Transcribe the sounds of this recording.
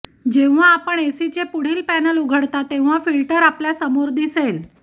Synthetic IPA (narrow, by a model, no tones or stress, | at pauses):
d͡ʑẽʋ̤̃aːpəɳesit͡sepuɽ̤iːlpænəluɡʱəɽt̪at̪ːẽʋ̤̃afilʈəɾapljasəmoɾd̪isel